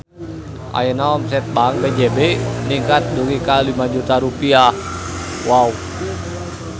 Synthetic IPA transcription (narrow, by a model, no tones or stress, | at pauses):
ʔa̰jənaɔms̬ɛt̪̚baŋbed͡ʒɛbɛniŋkat̪̚duɡikalimad͡ʒut̪aɾupia | wau